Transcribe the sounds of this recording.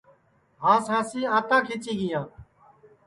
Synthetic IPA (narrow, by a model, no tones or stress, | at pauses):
ɦãːsãːsiːãːt̪ãːkʰiːt͡ʃiːɡiːãːt̪